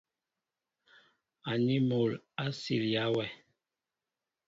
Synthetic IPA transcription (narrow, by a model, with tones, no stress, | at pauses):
a˨ni˦mo˨la˦sḭ˨lja˦wɛ˦˨